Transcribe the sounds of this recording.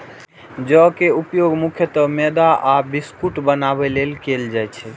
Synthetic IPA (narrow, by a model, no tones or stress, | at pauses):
d͡ʒɔkeupjoɡmukʰjət̪əmed̪aabiskuʈbənabɛlelkeld͡ʒajt͡ʃʰɛ